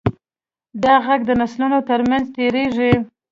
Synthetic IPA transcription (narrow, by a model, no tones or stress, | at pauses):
d̪ɑɣaɡ̚d̪ənaslunot̪əɾmanzt̪eɾeʐi